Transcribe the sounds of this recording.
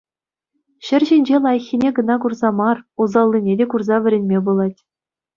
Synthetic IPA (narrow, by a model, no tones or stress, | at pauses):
ɕɘ̆rʲʑinʲd͡ʑelˠɑjɤ̆xʲːinʲeɡɤ̆nɑkurzɑmɑruzɑlˠʲːinʲedʲekurzɑʋʲɘ̆ɾʲenʲmʲebulˠɑtʲ